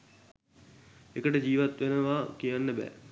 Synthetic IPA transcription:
ekəʈəd͡ʑiːʋat̪ʋenəʋaːkijanːəbæ̰ː

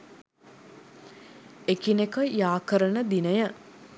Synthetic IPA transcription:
ekinekəjaːkəɾənəd̪inəjə

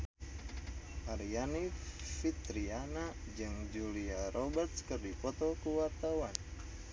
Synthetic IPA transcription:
ʔaɾianifit̪ɾianad͡ʒɨŋd͡ʒuliaɾʔɔbɛrt̪̚skɨrdipɔt̪ɔkuwart̪awan

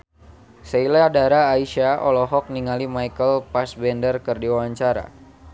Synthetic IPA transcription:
seilaadaɾaːiʃaɔlɔɦɔk̚niŋalimajkəlpasbɛndərkərdiwawaɲt͡ʃaɾa̰

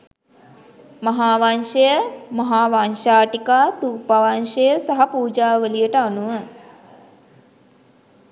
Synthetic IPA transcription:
mɐɦaːʋanʃəjəmɐɦaːʋanʃaːʈikaːt̪upaʋanʃəjəsaɦapuːd͡ʒaːʋəlijəʈəanuʋə

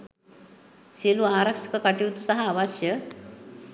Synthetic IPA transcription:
t͡seluaɾəkʂkəkaʈiwt̪usaɦaːʋaɕjə

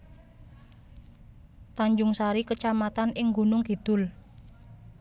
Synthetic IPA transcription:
t̪aɲd͡ʒʊŋsaɾikət͡ʃamat̪anɪŋɡunʊŋkid̪̥ʊl

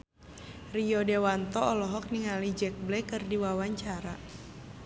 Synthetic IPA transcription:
riɔdewant̪ɔɔlɔɦɔk̚niŋalid͡ʒɛk̚blɛkɨrdiwawaɲt͡ʃaɾa

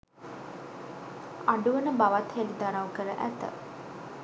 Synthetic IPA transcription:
aɖuʋənəbaʋat̪helid̪aɾawkəɾəʔæt̪ə̰

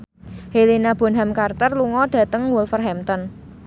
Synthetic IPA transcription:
helinab̥o̤nɦamkart̪ərluŋɔɖ̥ä̤t̪əŋwulfərɦɛmt̪ɔn

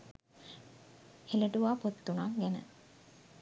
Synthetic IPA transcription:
heləʈuʋaːpot̪ːunaŋɡænə̰

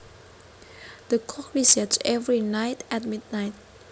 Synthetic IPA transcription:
d̥əkʰɔkɹisət͡ʃɛvɹinaɪtʰɛ̃t̚mid̚naɪt̚

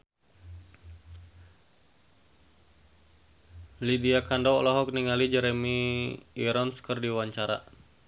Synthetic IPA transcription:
lidiakandɔɔlɔɦɔk̚niŋalid͡ʒɛɾemiiɾɔnskərdiwaɲt͡ʃaɾa̰

